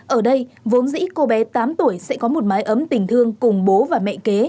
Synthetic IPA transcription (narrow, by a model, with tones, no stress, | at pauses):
ʔəː˧˩ɗə˧jvo˨˦nzḭ˧˥ko˧ɓɛ˨˦t̪aː˨˦mt̪u˧˩əjsɛ̰˧˥kɔ˨˦mo˨˩t̚maː˨˦jʔə˨˦mt̪ï˨˩ŋ̟t̪ʰɨ˧əŋkʊ˨˩ŋ͡mɓo˨˦vaː˨˩mɛ̰˧˨ke˨˦